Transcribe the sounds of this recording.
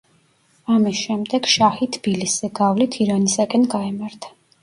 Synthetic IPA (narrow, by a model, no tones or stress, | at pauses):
amisʃɛmd̪ɛɡ̥ʃahit̪ʰbiliszɛɡavlit̪ʰiɾanisakʼɛnɡaɛmaɾt̪ʰḁ